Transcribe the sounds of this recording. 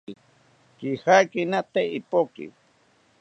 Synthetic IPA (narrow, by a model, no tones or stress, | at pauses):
i | kihajkinat̪eipokḭ